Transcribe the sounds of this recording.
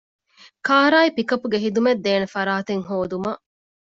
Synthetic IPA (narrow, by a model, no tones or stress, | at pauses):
kaːɾaːipikɐpːuɡeɦid̪umed̪ːeːnefɐɾaːt̪eŋɦoːd̪umɐ